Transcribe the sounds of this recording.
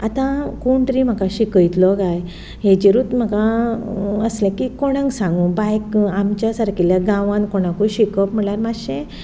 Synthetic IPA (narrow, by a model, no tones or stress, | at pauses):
at̪ãkuɳʈɾim̤akaɕikəjt̪lɔɡaj | ɦed͡ʑeɾuːt̪m̤akã | əslẽkikoɽ̃ə̃ŋɡsãŋɡũːbajkamt͡ɕjasəɾkiljaɡãʋãnkoɽ̃ãkujɕikəpm̤əɳlaɾmaɕẽ